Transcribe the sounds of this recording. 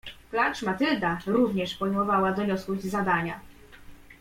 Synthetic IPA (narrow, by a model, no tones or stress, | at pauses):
klat͡ʂmat̪ɘld̪aɾuvɲɛʂpɔjmɔvawad̪ɔɲɔskud͡ʑzad̪aɲa